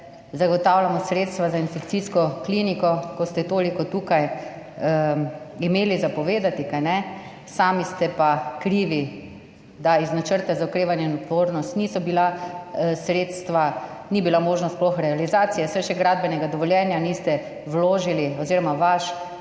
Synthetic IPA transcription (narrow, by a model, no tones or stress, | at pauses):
zaɡɔt̪awlamɔsɾeːt̪st̪ʋazainfɛkt̪siskɔklinikɔkɔst̪ɛt̪oːlikɔt̪uːkaj | imeːlizapɔʋeːd̪at̪ikajnɛ | saːmist̪ɛpakɾiːʋi | d̪aiznat͡ʃəɾt̪azaukɾeːʋanjɛnɔt̪ʋoːɾnɔst̪nisɔbila | sɾeːt̪st̪ʋa | nibilamoːʒnɔst̪splɔxɾɛalizat̪sijɛsɛʃɛɡɾad̪̚bɛnɛɡad̪ɔʋɔljɛːnjanist̪ɛ | ʋloːʒiliɔziːɾɔmaʋaʃ